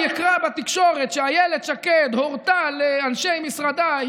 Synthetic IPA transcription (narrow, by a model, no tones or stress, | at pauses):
ikʁabat̪ikʃo̞ʁet̪ʃeajeled̪ʃaked̪hoʁt̪aleanʃejmisʁad̪a